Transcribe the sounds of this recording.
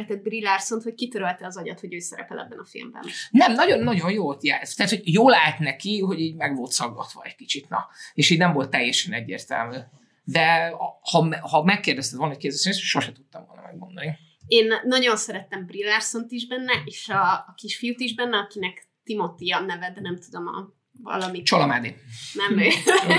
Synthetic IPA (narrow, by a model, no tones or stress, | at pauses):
ɛt̪ɛd̪̚brilarso̞nt̪hockit̪øɾølt̪ɛɒzɒɟɒ̰t̪ho̞ɟøːsɛɾɛ̰pɛlɛ̰bːɛnɒfḭlmbɛ̰nnɛmnɒɟo̞nːɒɟo̞njoːlt̪jaːt̪ɛhat̪hoɟjoːlaːt̪nɛkiɦo̞ɟiːɟmɛɡʋo̞lt̪sɒɡɡɒ̰t̪ʋɒ̰ɛc̚kit͡ʃit̪nɒ̰eːʃiːɟnɛmvo̞lt̪ːɛjːɛʃɛnɛɟːḛːrt̪ɛ̰lmyː | d̪ɛhɒmhɒmɛkːeːrd̪ɛst̪ɛt̪volnmockezøsnesʃo̞ʃɛt̪ut̪ːɒmvolnɒ̰mɛ̰ɡmond̪oni | eːnːɒɟo̞nsɛɾɛt̪ɛmbrilarsont̪iʒbɛnːɛʔeːʃɒːkiʃfiut̪iʒbɛnːɛɒkinɛk | t̪imo̞t̪ijɒnɛvɛd̪ɛnɛmt̪ud̪o̞mɒ̰ | vɒ̰lɒmit͡ʃolɒmaːd̪inɛmø